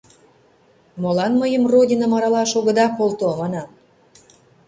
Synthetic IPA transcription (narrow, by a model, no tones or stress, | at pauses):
molɑnməjəmrodʲinə̆mɑɾɑlɑʃoɣə̆d̪ɑkolt̪omɑnɑm